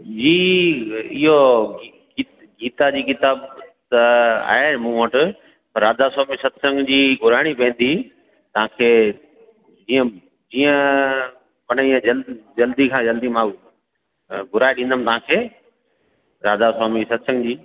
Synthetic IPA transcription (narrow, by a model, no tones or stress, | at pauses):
d͡ʑiː | ɪɦoi | i | ɡiːt̪ad͡ʑiːkɪt̪aːbt̪ɐa̰ːɦemũːʋoʈʊ | pɐɾːaːd̪asaːmisɐt̪ʰsə̃ŋɡd͡ʑiːɡʱʊɾaːɪɽ̃ipẽːnd̪i | t̪ɐʋãkʰeː | d͡ʑiːə̃ | d͡ʑiːə̃ | pɐñiə̃d͡ʑɐld͡ʑɐld̪ikʰãd͡ʑɐld̪imãː | ɡʱʊɾaːeɗĩnd̪əmɪ̆t̪ɐʋãːkʰeː | ɾaːd̪asaːmisɐt̪ʰsə̃ŋɡd͡ʑiː